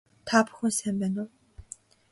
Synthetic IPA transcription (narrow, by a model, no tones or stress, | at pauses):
t̪ʰaːpʊ̥xʊ̆nsæmpæːnʊː